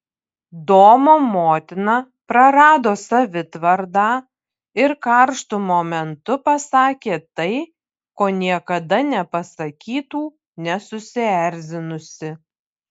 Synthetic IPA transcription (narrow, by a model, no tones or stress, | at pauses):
d̪oːmoːmoːt̪ʲɪnɑ | pɾɐɾɑːd̪oːsɐʋʲɪt̪ʋɐɾd̪ɑː | ɪɾkɐɾʃt̪umoːmʲɛnt̪ʊpɐsɑːkʲeːt̪ɐɪ | koːnʲiɛkɐd̪ɐnʲɛpɐsɐkʲiːt̪uː | nʲɛsʊsʲɪæɾʲzʲɪnʊsʲɪ